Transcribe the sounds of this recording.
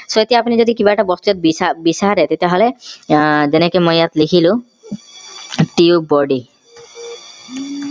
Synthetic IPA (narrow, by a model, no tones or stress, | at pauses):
soet̪iapnid͡ʑod̪ikibaɛʈabɔst̪uet̪bbisaɾet̪et̪eɦole | d͡ʑenekemojat̪likʰilu | ʈiubɔɖi